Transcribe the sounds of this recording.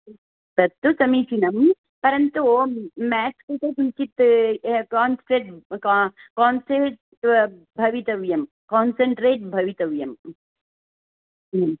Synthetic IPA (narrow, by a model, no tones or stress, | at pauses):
t̪ɐt̪ːusɐmiːt͡ʃʰinɐm | pɐɾɐnt̪umæːt͡ʃkut̪ɐkint͡ʃit̪kaːnsʈɾeʈ̚ | kaːnseɾʈ | bʱɐʋit̪ɐʋjɐm | koːnseɳʈɾeːʈ̚bʱɐʋit̪ɐʋjɐm